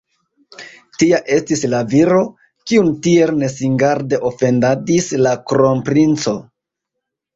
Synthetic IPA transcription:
tiaʔe̞stislaviɾo̞ | kiuntie̞lne̞siŋɡaɾde̞ʔo̞fe̞ndadislakɾo̞mpɾint͡so̞

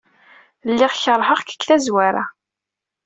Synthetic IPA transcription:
lːɪʁçəɾˤɦəʁkə̥kːθæzwaɾa̰

